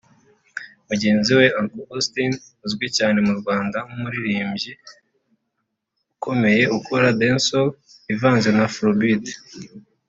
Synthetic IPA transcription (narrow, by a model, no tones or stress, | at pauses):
muɟe̞ːnziwe̞aŋkoɡustin | uzɡwicaːne̞muɾɡwaːndamumuɾiɾiːmbɟi | ukʰo̞me̞je̞ukʰoɾadensol | ivaːnzenafɾobid